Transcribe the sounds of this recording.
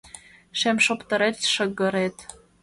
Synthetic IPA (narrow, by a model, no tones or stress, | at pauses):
ʃemʃopt̪ɤ̆ɾet̪ʃɤ̆ɣɤ̆ɾet̪